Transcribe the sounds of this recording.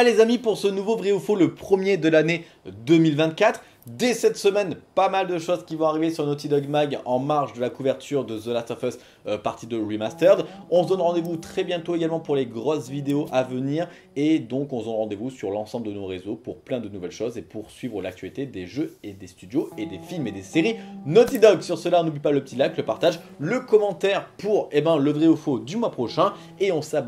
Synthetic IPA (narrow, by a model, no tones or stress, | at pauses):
alezamipuʁsənuvobʁiufoləpχəmjed̪əlane | d̪əmilvɛ̃t̪̚kʲat̪χ | d̪ɛsɛt̪səmɛnpamald̪əʃozkʲivɔ̃aʁivesyʁnot̪id̪ɔɡmaɡɑ̃maʁʒd̪əlakuvɛʁt̪ʰyʁd̪əzolasɛfɛs | paʁt̪id̪əʁimast̪œʁd̪ɔ̃sd̪ɔnʁɑ̃d̪evut̪χɛbjɛ̃t̪oeɡalmɑ̃puʁleɡʁɔsvid̪eoʔavəniːʁ | ed̪ɔ̃kɔ̃səd̪ɔnʁɑ̃d̪evusyʁlɑ̃sɑ̃bləd̪ənoʁezopuʁplɛ̃d̪ənuvɛlʃozepuʁsɥivʁəlak̚t̪ʰɥalit̪ed̪eʒøed̪est̪yd̪joed̪efilmed̪eseʁinɔt̪id̪ɔksyʁsəlaɔ̃nublipaləpət̪ilakləpaʁt̪aʒ | ləkɔmɑ̃t̪ɛʁpuʁebɛ̃ləvʁeofod̪ymwapχɔʃɛ̃ | eɔ̃sab